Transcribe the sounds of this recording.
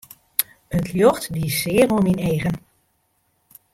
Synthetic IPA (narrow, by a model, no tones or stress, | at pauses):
əntʰljɔxtdisɪəruəmineːɣən